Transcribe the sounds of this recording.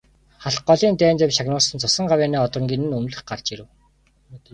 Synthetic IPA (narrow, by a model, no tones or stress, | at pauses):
χaɬq̚ɢɔɮiːnt̪æːnt̪ewʃaɣnʊːɮsə̆nt͡sʰʊsə̆ɴɢawʲæːniːɔt̪rə̆ŋɡʲinɘ̆nɵmɮɘ̆χɢart͡ɕiɾɘ̆w